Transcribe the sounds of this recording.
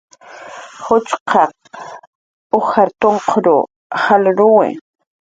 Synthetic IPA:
hʊt͡ʃqʰɑ | ʊxaɾt̪oɴqʰɾʊ | halɾʊwɪ̰

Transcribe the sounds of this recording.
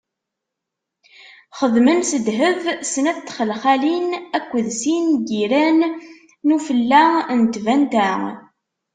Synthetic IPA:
χəðmənsəd̪ɦəvsənæt̪ːχəlχælinækʷːəðsinɡiɾænː | ufəlːænt̪vænt̪æ

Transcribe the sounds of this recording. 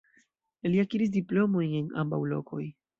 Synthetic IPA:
liakiɾis̬diplo̞mo̞jnena̰mba̰wlo̞̰kʰo̞̰j

